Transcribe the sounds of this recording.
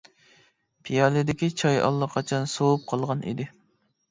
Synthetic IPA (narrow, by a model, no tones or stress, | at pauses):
pʰijɑlɪd̪ɪkʲit͡ʃʰɑjɑ̰lˠːɑqʰɑt͡ʃʰɑnsowup̚qʰɑlˠʁɑnʔḭd̪ɪ